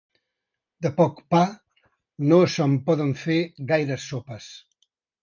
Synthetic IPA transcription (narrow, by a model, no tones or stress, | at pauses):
d̪əpɔkpa | nosəmpɔðəɱfeɾɣajɾəsːopəs